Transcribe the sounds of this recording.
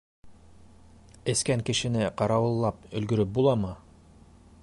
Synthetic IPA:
ɘ̆skæŋkɘ̆ʃɘ̆nɘqɑɾɑwɤ̆lˠːɑp̚ɵ̆lɡɵ̆ɾɵp̚bulˠɑmɤ

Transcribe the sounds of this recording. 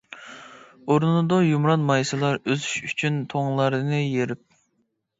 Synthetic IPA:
oɾnnɨd̪ɑjumɾɑnmɑjsɨlˠɑɾøzyʃyt͡ʃʰynt̪ʰoŋlˠɑɾd̪ɨnɨjeɾɪp̚

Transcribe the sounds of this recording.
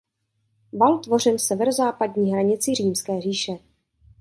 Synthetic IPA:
valt̪vo̞r̝ɪnsɛvɛɾozaːpadɲiːɦɾaɲɪt͡sɪriːmskɛːriːʃɛ

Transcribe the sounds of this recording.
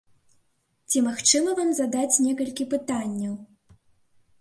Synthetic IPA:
t͡sʲimaxt͡ʂɨmɐvamzad̪at͡sʲnʲɛkɐlʲkʲipɨt̪anʲːɐw

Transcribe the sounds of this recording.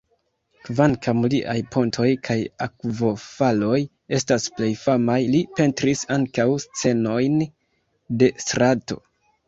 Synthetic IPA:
kvaŋkamliʔajpʰo̞ntʰo̞jkʰajakvo̞falo̞j | e̞stasple̞jfamajlipe̞ntɾisaŋkawst͡se̞no̞jn | de̞stɾato̞̰

